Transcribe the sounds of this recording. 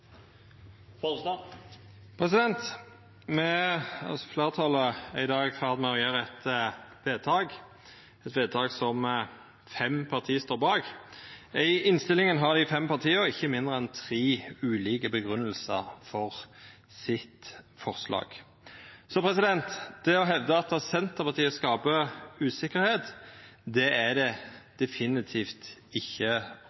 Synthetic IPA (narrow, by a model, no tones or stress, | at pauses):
pʰʁɛsɪd̪ɛnt̪ | mɛɑ̰sɔfleːʁət̪ʰɑləæɪd̪ɑːɡfæːʁd̪mɛɔʁjeːʁəɛt̪ʋeːd̪̚t̪ʰɑːɡ | ɛt̪ʋeːd̪̚t̪ʰɑːɡsɔm | fɛmpʰɑʁt̪ʰiːəst̪oːʁbɑːɡ | ɪɪɪnst̪ɪlɪŋənɦɑʁd̪ɪfɛmpɑʁt̪ʰiːəʁɪçːəmɪnd̪ʁəɛnt̪ʰʁiːʉːliːkəbəɡʁʉnːəlsə̰ʁfɔʁ | sɪt̪fɔʁslɑ̰ːɡ̥ | sɔpʰɾɛsɪd̪ɛnt̪d̪̥ɛɔɦɛʋd̪əɑt̪ɑsɛnt̪əpɑʁt̪ʰiːəskɑːpəʉːsɪkːəɾheːt̪d̪ɛæd̪ɛd̪̥ɛfɪnɪt̪ʰiːft̪ɪçːə